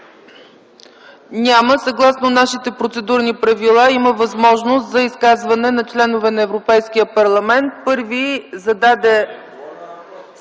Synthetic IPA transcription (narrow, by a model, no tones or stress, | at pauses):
nʲaməsɐɡlˠasnonaʃit̪ɛpɾot̪sɛd̪uɾnipɾɐvilˠaiməvɐzmɔʒnost̪zɐiskazvɐnɛnɐt͡ʃlɛnovɛnɐɛvɾopɛjskijəpɐɾlˠɐmɛnt̪̚pɤɾvizɐd̪ad̪ɛ